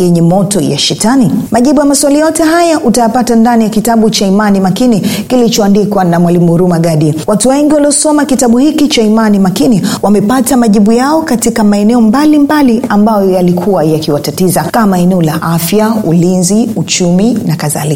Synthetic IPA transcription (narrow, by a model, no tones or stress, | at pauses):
jɛɲɛmɔtɔja̰ʃɛtanimaʄiɓujamaswalijajɔtɛɦajaʔutajapatandanijakitaɓut͡ʃaimanimakinikilit͡ʃɔandikwanamwalimuɾumaɠaɗiwatuwɛŋɡiwaliɔsɔmakitaɓuhikit͡ʃaimanimakiniwamɛpatamaʄiɓujaɔkatikamaɛnɛɔmbalimbaliambajɔjalikʰuwajakiwatatizakamaɛnɛɔlaʔafjaulinziut͡ʃuminakaða̰lika